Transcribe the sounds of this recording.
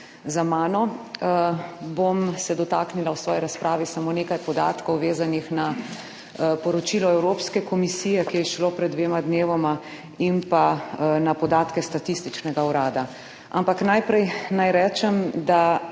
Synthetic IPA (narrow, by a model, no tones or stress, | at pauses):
zamaːnɔ | bomsɛd̪ɔt̪aːknilawsʋɔːjiɾaspɾʔaːʋisamoːneːkajpɔd̪a̰ːt̪kɔwʋeːzanixna | pɔɾɔt͡ʃilɔɛwɾoːpskɛkɔmisiːjɛkijɛʃlopɾɛd̪ʋeːmad̪neːʋɔma | impanapɔd̪aːt̪kɛst̪at̪ist̪it͡ʃnɛɡauɾaːd̪a | a̰mpaknajpɾɛjnajɾɛːt͡ʃɛmd̪a